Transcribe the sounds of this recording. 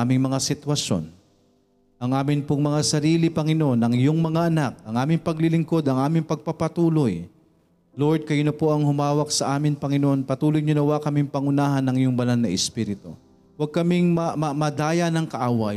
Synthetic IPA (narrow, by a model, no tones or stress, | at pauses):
aːmɪŋmɐŋasɪt̪wɐʃo̞̰n | ʔɐŋʔaːmɪnpʊŋmɐŋasɐɾiːlɪpɐŋɪnoʔonɐŋɪjoŋmɐŋaʔɐnak̚ɐŋʔaːmɪŋpɐɡlɪlɪŋko̞d̪ɐŋʔaːmɪŋpɐɡ̚pɐpɐt̪uːloj | loɹd̪̚kɐjʊnɐpoʔɐŋhʊmaːwɐk̚sɐʔaːmɪŋpɐŋɪnoʔonpɐt̪uːlojɲʊnɐwakɐmɪŋpɐŋʊnaːɦɐnːɐŋɪjʊŋbɐlanːɐʔɛspiɾɪt̪o̰ | wɐɡ̚kɐmɪŋmɐmɐmɐd̪aːjɐnɐŋkɐʔaːwa